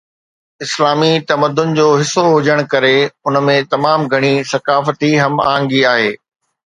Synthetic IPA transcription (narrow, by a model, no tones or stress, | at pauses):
ɪslaːmit̪ɐməd̪ʊn̆d͡ʑoːɦɪsoɦʊd͡ʑəɽ̃kɐɾeʊnmẽt̪ɐmaːmɡʱɐɽ̃isɐkaːft̪iɦɐma̰ːə̃ŋɡiaːɦeː